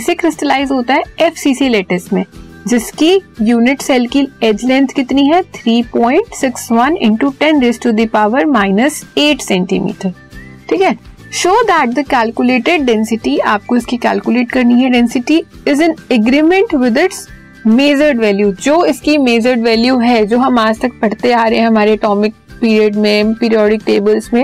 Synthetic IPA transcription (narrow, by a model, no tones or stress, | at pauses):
sekɾɪsʈəlaːɪzɦoːt̪aɦɛɛfsiːsileːʈəsmẽ | d͡ʒɪskijuːnɪʈsɛlkiɛd͡ʒlɛ̃nt̪ʰkɪt̪niɦɛt̪ʰɾiːpɔ̃ːɪ̃ɳʈsɪksʋɐ̃nɪ̰̃ɳʈuʈɛ̃nɾesʈud̪ipaːʋəɾmaːɪnəseːʈsɛ̃ɳʈḭmḭːʈəɾ | ʈʰiːkɛ | ʃoːd̪æːʈ̚d̪əkæːlkjʊleːʈeɖ̚ɖɛ̃nsɪʈiaːp̚koɪskikæ̰ːlkjʊleːʈkɐɾniɦɛɖɛ̃nsɪʈi | ɪzə̃nɛɡɾiːmə̃ɳʈʋɪd̪ɪʈs | meːd͡ʒəɾɖʋɛːljud͡ʒoːɪskimeːd͡ʒəɾɖʋɛːljuɦɛd͡ʒoːɦɐmaːd͡ʒt̪ɐk̚pɐɽ̤t̪eaːɾɐɦɛ̃ɦɐmaːɾeʈɔːmɪk̚ | piːɾiəɖmẽpɪːɾiɔːɖɪk̚ʈeːbəlzmẽ